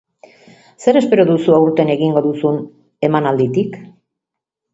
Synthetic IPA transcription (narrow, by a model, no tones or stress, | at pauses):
se̞ɾe̞spe̞ɾo̞ðusuawɾt̪e̞ne̞ɣiŋɡo̞ðusun | e̞manald̪it̪ik